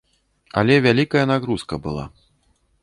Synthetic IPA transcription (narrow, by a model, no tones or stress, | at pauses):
ɐ̰lʲɛvʲalʲikɐjɐnaɣɾuskɐbɨlˠa̰